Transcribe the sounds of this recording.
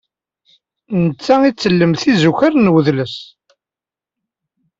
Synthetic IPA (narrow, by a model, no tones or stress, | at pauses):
nət͡sːæit͡sːəlːəmθizuçaɾnwəðləs